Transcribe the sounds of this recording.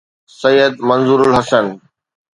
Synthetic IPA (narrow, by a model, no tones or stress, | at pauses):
sɐjəd̪mɐ̃nzuːɾʊlɦɐsən